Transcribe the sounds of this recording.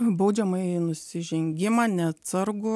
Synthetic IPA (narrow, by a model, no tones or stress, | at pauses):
bɐʊd͡ʒʲɛmɐɪnʊsʲɪʒʲɛŋʲɡʲɪmɑːnʲɛɐt̪sɐɾɡʊ